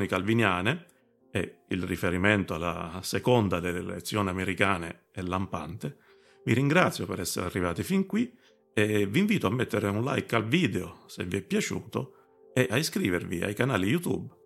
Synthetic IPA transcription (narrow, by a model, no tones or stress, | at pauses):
nikalvinjaːne | ɛilrifeɾiment̪oalːa̰sekond̪ad̪elːel̰ḛt̪sːjoːniameɾikaːne | ɛlːampa̰nt̪e | viɾiŋɡɾat̪sjopeɾɛsːḛɾ̰a̰rːivaːt̪ifiŋkwi | ɛviɱviːt̪oamːet̪ːeɾeunla̰jkalviːd̪eosḛvːiɛpːjat͡ʃṵːt̪o | eʔaiskɾiːvervḭa̰jkanaːlijut̪ṵb